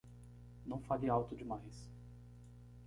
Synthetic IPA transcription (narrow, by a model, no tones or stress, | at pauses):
nɐ̃w̃faliawt̪ʊd͡ʒɪmajs